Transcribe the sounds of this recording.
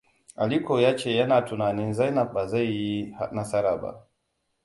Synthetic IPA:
ʔa˨li˦kʰo˨jaː˦t͡ʃeː˦˨jɐ˦naː˨tu˨naː˨ni˦nza˦jna˨ɓa˨za˦˨jːi˦ha˦na˦sa˦ɾa˨ba̰˨

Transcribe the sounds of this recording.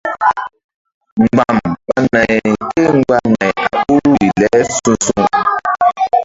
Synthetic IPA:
ŋ͡m̩˨ɡ͡ba˨mk͡pa˦mɛ̃˨ke˦ŋ̩˦ɡ͡ba˦nɛ̃˨a˨k͡pu˦ɾu˦i˨lɛ˨˦sũ˧sũ˦˧

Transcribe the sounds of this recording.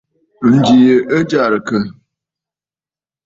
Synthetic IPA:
n̩˨d͡ʒi˨jə˨ʔə˦d͡ʒa˦˨ɾə˨kə˦

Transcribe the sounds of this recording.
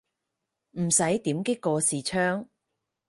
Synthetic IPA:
m̩˨˩sɐ˨˥jt̪iː˨˥mkɪ˥kːɔː˧siː˨t͡ʃʰœː˥ŋ

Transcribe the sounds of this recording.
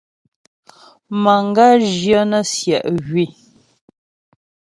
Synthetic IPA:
ma˨ŋ˦˨ɡa˦˨ʒjə˦nə˦sjɛ˨ʔɣɥi˦˨

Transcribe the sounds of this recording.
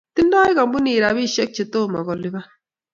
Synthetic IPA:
ti˦n˦dɔ˦i˦ka˨mbu˦ni˨ɾa˨bi˦˨ʃɛ˦k̚t͡ʃe˨toː˦˨ma̰˨ɡɔ˨lɪ˦ba˦

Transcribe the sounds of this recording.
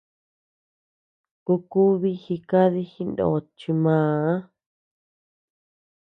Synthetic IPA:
ku˧ku˦βi˦xi˧ka˦ði˦xi˧ndo̰˨t͡ʃi˧mãː˨˦˨a˦

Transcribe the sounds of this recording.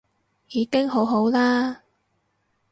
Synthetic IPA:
jiː˨˧˥kɪ˥ŋɦo˨˥wɦo˨˥wlaː˥

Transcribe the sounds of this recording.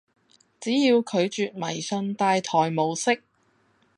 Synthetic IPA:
t͡siː˨˥jiː˧wkʰɵ˨˧ɥt͡ʃyː˨t̚mɐ˨˩jsɵ˧nt̪aː˧jt̪ʰɔː˨˩jmo˨˧wsɪ˥k̚

